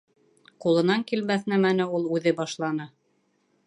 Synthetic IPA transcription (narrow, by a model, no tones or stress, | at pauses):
qulˠɤ̆nɑŋkilmæθnæmænɘulˠʉðɘbɑʃlˠɑnɤ